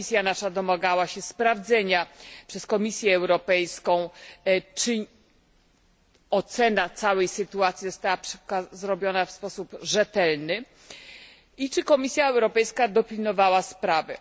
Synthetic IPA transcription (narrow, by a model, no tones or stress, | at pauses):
isʲjanaʂad̪ɔmaɡawaɕɛspɾavd̪zɛɲapʂɛskɔmʲisʲjɛːwɾɔpɛjskɔ̃w̃t͡ʂɘ | ɔt̪sɛnat̪sawɛjsɘt̪uat̪sʲjizɔst̪awapʂɛkazɾɔbʲjɔnafspɔsupʐɛt̪ɛlnɘ | it͡ʂɘkɔmʲisʲjaɛwɾɔpɛjskad̪ɔpʲilnɔvawaspɾavɛ